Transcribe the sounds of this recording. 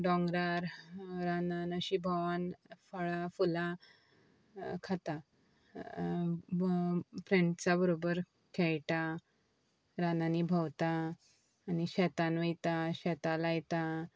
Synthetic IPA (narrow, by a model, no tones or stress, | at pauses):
ɖɔ̃ŋɡɾaɾɾananəɕibʱəʋanfəɭafula | kʰat̪a | pɾeɳʈt͡sabəɾobəɾ | kʰɛɭʈ̪a | ɾananibʱəwt̪aː | niɕɛt̪anʋejt̪aɕɛt̪alajt̪a